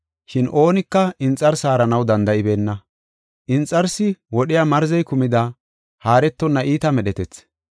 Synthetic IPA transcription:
ʃɪnʔo̞ːnɪkːɐɪnt͡sʼːɐɾsaːɾɐnɐwd̪ɐnd̪ɐʔɪbe̞ːnːɐ | ʔɪnt͡sʼːɐɾsɪwɔɗɪjaːmɐɾzɛjkʊmɪd̪ɐ | haːɾɛt̪ːɔnːɐʔiːt̪ɐmɛɗɛt̪ɛt͡s

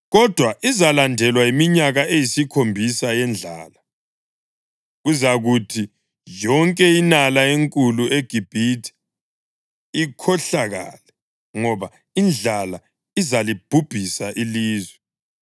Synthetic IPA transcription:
ɣɔd̥ʱwaʔizalandʱɛlwaimiɲaɣaejisikʰombʱisajɛnd͡ɮʱa̰ːla | ɣuzaɣutʰi | jɔŋkʼɛinalaeŋkʼuluʔeɡ̥ʱib̥ʱitʰi̥ | ikʰɔɬaɣa̰lɛ | ŋɔβa | ind͡ɮʱala | izalib̥ʱub̥ʱisaʔiliːzwɛ

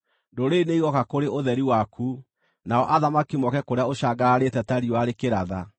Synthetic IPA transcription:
ndoɾeineiɣɔkakoɾeʔoðɛɾiwakʰu | naɔʔaðamakimɔkɛkoɾeaoɕaɡaːɾetɛtaɾioaɾekeɾaða

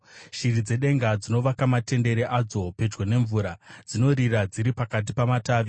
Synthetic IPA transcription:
ʃirid͡ze̞ɗe̞ŋɡad͡zino̞ʋakamate̞nde̞ɾeʔad͡zo̞pe̞d͡ʒɡene̞ɱvuɾad͡zino̞ɾirad͡ziɾipakat̬ipamataːʋi

